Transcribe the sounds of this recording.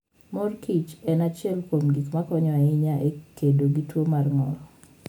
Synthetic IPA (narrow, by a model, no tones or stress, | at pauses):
mɔrkit͡ʃɛnat͡ʃɪɛlkomɡikmakɔɲɔɛɪɲaʔekedoɡitwomarŋɔlɔ